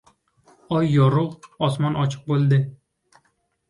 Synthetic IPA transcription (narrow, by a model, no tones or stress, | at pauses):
ɒjːɒɾʊʁɒsmɒnɒt͡ʃʰɨ̥q̚bolˠd̪ɪ